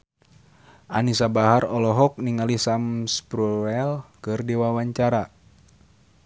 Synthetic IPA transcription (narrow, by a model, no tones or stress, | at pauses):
ʔanisabaɦarɔlɔɦɔk̚niŋalisamspɾuɛlkɨrdiwawaɲt͡ʃaɾa